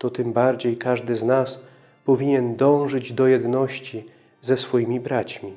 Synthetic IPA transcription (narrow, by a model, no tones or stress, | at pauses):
t̪ɔt̪ɘmbaɾd͡ʑejkaʐd̪ɘznas | pɔvʲiɲɛnd̪ɔ̃w̃ʐɘd͡ʑd̪ɔjɛd̪nɔɕt͡ɕi | zɛsfɔjimʲibɾat͡ɕmʲi